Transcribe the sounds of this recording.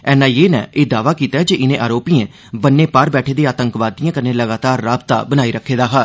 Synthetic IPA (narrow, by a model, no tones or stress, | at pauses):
ɛːnãːjeːnɛ̰̃ːʔeːd̪aːʋaːkiːt̪aːɛd͡ʒeːʔɪnẽːʔaːɾoːpiːẽː | bənːeːpaːɾbɛːʈʰeːd̪eːaːt̪əŋkʋaːd̪ijãːkənẽːləɡaːt̪aːɾːaːbt̪a̰ːbənaːiːɾəkʰːeːd̪aːɦaːɾ